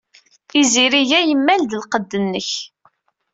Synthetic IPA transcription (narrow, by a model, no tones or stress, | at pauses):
iziɾiʝæjəmːæld̪əlqəd̪ːənːəç